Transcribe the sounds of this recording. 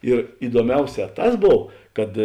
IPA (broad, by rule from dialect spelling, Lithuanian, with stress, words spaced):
ɪr ɪduɔˈmʲɛʊˌsʲɛː ˈtɐs ˈboːw ˈkɐt